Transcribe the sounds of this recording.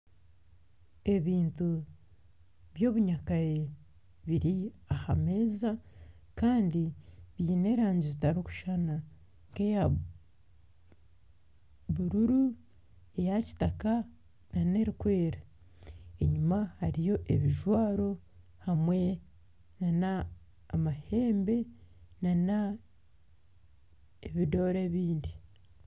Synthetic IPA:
e̞βiːntu | βjo̞ːβuɲakaje | βiɾiahame̞ːza | kaːndiβjiːne̞ɾaːɲɟizitaɾiku̥ʃana | keja | βuɾuɾu | ejaci̥taka | nane̞ɾikwe̞ːɾa | e̞ɲumahaɾijo̞ʔe̞βiʒwaːɾo̞ | hamwe̞ | nanaː | mahe̞ːmbe̞ | nana | eβidoːɾe̞βiːndi

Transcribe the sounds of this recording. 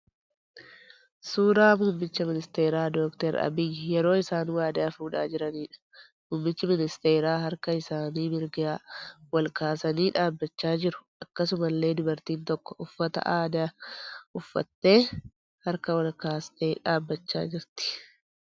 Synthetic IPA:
suːɾaːmuːmːɪt͡ʃːɐmɪnɪst̪e̞ːɾaːd̪oːkt̪ɛɾɐ̰bɪjɪjɛɾo̞ːɪsaːnwaːd̪aːfuːᶑa̰ːd͡ʒɪɾɐniːᶑɐ̥ | muːmːɪt͡ʃːɪmɪnɪst̪e̞ːɾaːɦɐɾkɐɪsaːniːmɪɾɡaːwɐlkaːsɐniːᶑaːbːɐt͡ʃːaːd͡ʒɪɾʊ̥ʔɐkːɐsʊmɐlːe̞ːd̪ʊbɐɾt̪iːnt̪ɔkːɔʔʊfːɐt̪ɐ̰ʔaːd̪ɐ | ʊfːɐ̰t̪ːe̞ː | hɐɾkɐwɐlkaːst̪eːᶑaːbːɐt͡ʃːa̰ːd͡ʒɪɾt̪ɪ̥

